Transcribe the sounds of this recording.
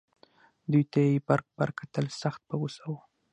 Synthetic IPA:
d̪ujt̪aebaɾk̚baɾkat̪əlsaxt̪̚bawusawu

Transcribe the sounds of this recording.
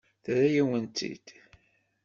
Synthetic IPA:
θɾæjiwənt̪ḭd̪̥

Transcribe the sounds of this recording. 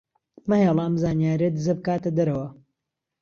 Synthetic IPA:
mɐheːlˠaːmzaːnjaːɾiɐd̪ɨzɐbɨkaːt̪ɐd̪ɐɾɐwɐ

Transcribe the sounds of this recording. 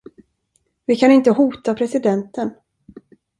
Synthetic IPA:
vɪkʰanɪnt̪əɦuːt̪apʰɾɛsɪd̪ɛnt̪ən

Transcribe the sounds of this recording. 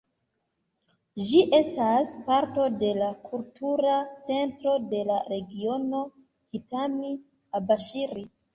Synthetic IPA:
ʒiʔe̞staspaɾto̞de̞lakʰultuɾat͡se̞ntɾo̞de̞laɾe̞ɡio̞no̞ | kitami | abaʃiɾi

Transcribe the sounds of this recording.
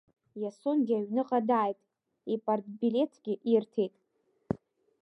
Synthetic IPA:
jaso̞nɡʲaɥnɨqʼadaːjtʼ | ipʼartʼbile̞tʰɡʲɪʔirtʰejtʼ

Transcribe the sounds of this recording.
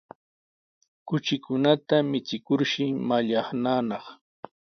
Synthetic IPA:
kʊt͡ʃɪkʊnat̪amɪt͡sɪkʊɾʃɪmaʎɑχnaːnɑχ

